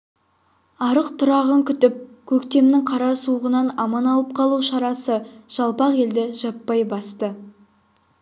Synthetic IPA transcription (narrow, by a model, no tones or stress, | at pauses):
ɑɾəqt̪ʰʊɾɑʁəŋkʲʰʏt̪ɪp̚kʲʰɵkt̪e̞mnɪŋqʰɑɾɑsuʁənɑnɑmɑnɑlˠəp̚qʰɑlˠuʃɑɾɑsəʒ̥ɑlˠpɑqe̞ld̪ɪʒɑpːɑjbɑst̪ə